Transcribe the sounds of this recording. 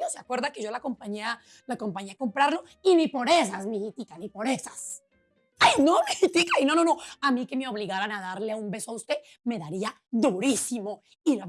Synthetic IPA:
oseakwe̞ɾðake̞ʝo̞lako̞mpaɲia | lako̞mpaɲiako̞mpɾaɾlo̞ | inipo̞ɾe̞sasmihit̪ikanipo̞ɾe̞sas | ajnomihit̪ikainonono̞amĩke̞meo̞βliɣaɾanaðaɾleaumbe̞soaust̪e̞ | me̞ðaɾia | d̪uɾisimo̞ | ila

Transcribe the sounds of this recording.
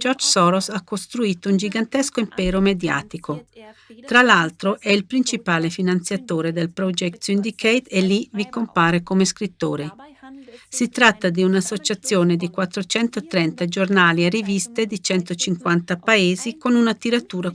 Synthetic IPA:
d͡ʒɔrd͡ʒsɔɾosakːost̪ɾuiːt̪ound͡ʒiɡant̪ɛskoimpɛːɾomed̪ja̰ːt̪ikʰot̪ɾalalt̪ɾoʔɛilpɾint͡ʃipaːlefinant̪sjat̪oːɾed̪elpɾɔd͡ʒɛkt̪ynd̪ikʰejt̪elːivikompaːɾekomeskɾit̪ːoːɾe | sit̪ɾat̪ːad̪iunasːot͡ʃat̪sːjoːned̪ikwat̪ːɾot͡ʃɛnt̪ot̪ɾɛnt̪ad͡ʒornaːliarivist̪ed̪it͡ʃɛnt̪ot͡ʃiŋkwant̪apaeːzikonunat̪iɾat̪uːɾa

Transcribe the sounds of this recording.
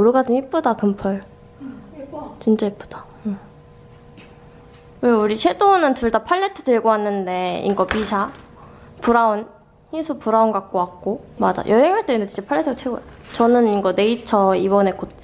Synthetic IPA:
oɾɯɡad͡ʑɯmhip̚p͈odakɯmpʰʌɭ | t͡ɕint͡ɕ͈aɦip͈o̥d̥ḁ | ɯ | kɯɾuɾit͡ɕʰe̞donɯntuɭdapʰaɭːe̞tʰɯ̥dɯɭɡoanːɯnde̞ḭŋɡʌpisʰa | puɾaon | çinsʰupuɾaonɡak̚k͈oak̚k͈omad͡ʑa̰jʔʌɦeŋaɭt͈endɯt͡ɕint͡ɕ͈epʰaɭːe̞tʰɯat͡ɕʰeɡo̰jat͡ɕʌnɯniŋɡʌne̞it͡ɕʰʌibʌne̞kot̚t͡ɕ͈

